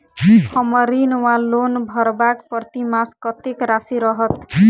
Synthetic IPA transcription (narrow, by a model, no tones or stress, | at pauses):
kʰʌmʌɾinwalːonbʱʌɾbakpɾʌt̪imaskʌt̪ekɾasiɾʌɦʌt̪